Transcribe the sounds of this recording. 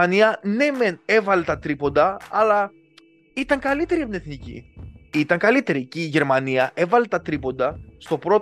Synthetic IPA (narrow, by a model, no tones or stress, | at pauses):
ɐniɐne̞mene̞vɐle̞t̪ɐt̪ɾipo̞nd̪ɐːlɐ | it̪ɐŋkɐlit̪e̞ɾiɐpnieθnicḭit̪ɐŋkɐlit̪e̞ɾiciːʝe̞ɾmɐniɐʔe̞vɐle̞t̪ɐt̪ɾipond̪ɐst̪o̞pɾo̞